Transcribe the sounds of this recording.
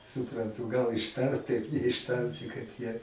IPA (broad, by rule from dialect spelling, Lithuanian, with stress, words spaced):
sʊprɐnˈtuː ˈɡɐlˠ ɪʃˈtɐrt tɐɪp nʲɛɪʃˈtɐrʲt͡ʃʲɪ kɐt ˈjiɛ